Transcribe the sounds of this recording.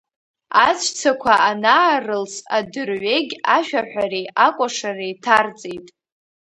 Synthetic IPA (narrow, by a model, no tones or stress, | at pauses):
at͡sʷʰt͡sʰakʷʰaʔanaːrɨlsadɨrʕeɡʲaʃᶣaħʷᶣarejakʷʼaʂarejtʰart͡sʼejtʼ